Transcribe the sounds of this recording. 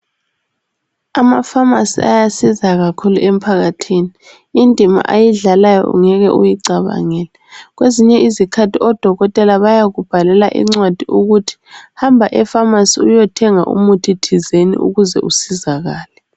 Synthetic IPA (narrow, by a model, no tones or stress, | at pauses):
amafamasia̰jasizaɣakʰuluʔem̩pʰaɣatʰiːniː | ndʼʱima̰ʔajiɮalajɔ̰ʔṵŋɛɣɛʔujiǀaβa̰ŋɛlɛɣweziɲɛizikʰatʰiɔd̥ʱɔɣɔtʼɛlaβajaɣub̥ʱalɛlaʔḭŋ͡ǀwad̥ʱiʔuɣutʰi̥hambʱaʔɛfamasiujɔtʰɛŋa̰ʔṵmutʰitʰizenḭʔṵɣuzɛʔusizaɣaːlɛ